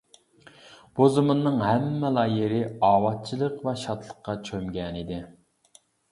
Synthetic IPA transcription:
b̥ozumunːɨŋɦæmːɛlˠɑːjɪɾɪɑːwɑt̪̚t͡ʃʰilˠəqvɛʃɑt̪ʰlˠəqːɑt͡ʃʰømɡʲɛnid̪ɪ

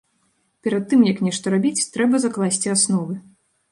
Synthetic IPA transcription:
pʲɛɾat̪ːɨmjɐknʲɛʂt̪ɐɾabʲit͡sʲt̪ɾɛbɐzaklˠasʲt͡sʲiasnɔvɨ

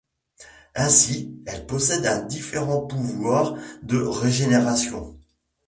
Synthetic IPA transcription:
ɛ̃siɛlpɔsɛd̪ɛ̃d̪ifeʁɑ̃puvwaːʁd̪əʁeʒeneʁasjɔ̰̃

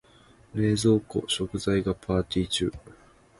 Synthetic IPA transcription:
ɾe̞ːzo̞ːko̞̰ɕo̞kɯ̟zaiɡapʰaːt̪ʲiːt͡ɕɨ̰ː

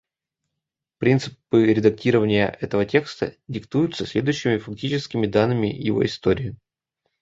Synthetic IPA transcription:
pɾʲint̪sɨpɨɾʲɪd̪ɐk̚tʲiɾəvənʲɪjə̰ʔɛt̪əvətʲe̞kst̪ə̰dʲɪkt̪ujʊt̪səsʲlʲe̞d̪ʊjɕːɪmʲɪfɐk̚tʲit͡ɕɪskʲɪmʲɪd̪anːɨmʲɪ̰jɪ̰vo̞̰ɪst̪o̞ɾʲɪɪ

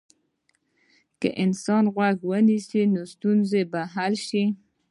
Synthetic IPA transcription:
kə̰ʔɪnsɑnɣwaɡwənisinost̪unzebaɦalʃi

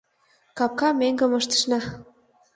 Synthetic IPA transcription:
kɑp̚kɑmeŋɡə̆mɤ̆ʃt̪ə̥ʃnɑ

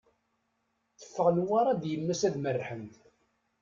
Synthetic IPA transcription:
θə̥fːəʁnwaɾˤɑd̪jəmːæsæðmərːħənt̪

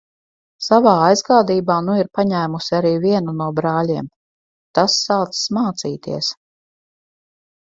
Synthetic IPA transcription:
savaːajzɡaːd̪iːbaːnuiɾpaɲæːmusiaɾiːviɛnunuɔbɾaːlʲiɛm | t̪asːaːt̪ssmaːt̪siːt̪ḭɛs

